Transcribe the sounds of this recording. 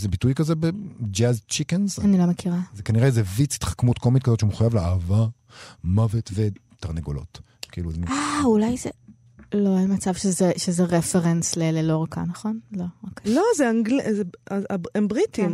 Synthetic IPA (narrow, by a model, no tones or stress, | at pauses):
zebitujkazebed͡ʒazt͡ʃikenzanilo̞mekʰiʁazekaniʁezevit͡si̥t̪χḁkmutkomit̪̚kazotʃemeχujavleaːva | mavetvet̪aʁneɡo̰lo̰t | kiiːluzaulajze | lo̞amat͡sav̥ʃezeʃezeʁefeʁenslelelo̞ʁaka̰nɐχo̞nlo̞ʁaklozeaŋɡlizaembʁit̪im